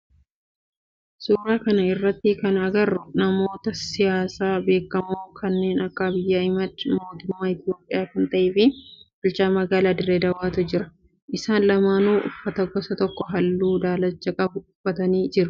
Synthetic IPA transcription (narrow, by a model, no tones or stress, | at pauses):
suːɾaːkɐnɐɪrːɐt̪ːɪkɐnɐɡɐrːʊnɐmo̞ːt̪ɐsɪjaːsaːbe̞ːkːɐmoːkʰɐnːe̞ːnɐkːabɪjːaːɪmɐt̪mo̞ːt̪ʊmːaːɪt̪ɪjo̞ːpʼːɪjaːkɐnt̪ɐʔeːfɪbʊlt͡ʃaːmɐɡaːlaːd̪ɪɾeːd̪ɐwaːt̪ʊd͡ʒɪɾɐ | ʔɪsaːnlɐmaːnuːʔʊ̰fːɐt̪ɐɡɔsɐt̪ɔkːɔɦɐlːuːd̪aːlɐt͡ʃːɐkʼɐbʊʊfːɐt̪ɐniːd͡ʒɪɾʊ